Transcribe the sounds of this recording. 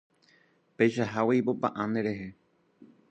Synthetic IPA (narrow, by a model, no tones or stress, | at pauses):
pejʃaɦawejpopã̰ʔãnd̪eɾe̞ɦe